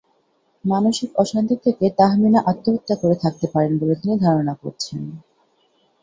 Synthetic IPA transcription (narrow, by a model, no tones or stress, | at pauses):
manoʃikɔʃant̪it̪ʰeket̪aɦminaʔat̪ːoɦot̪ːakoɾet̪ʰak̚t̪epaɾenbolet̪inid̪ʱaɾonako̰ɾt͡ɕʰen